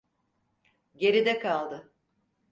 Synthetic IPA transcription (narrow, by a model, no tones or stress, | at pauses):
ɟe̞ɾid̪ɛkʰalˠd̪ɯ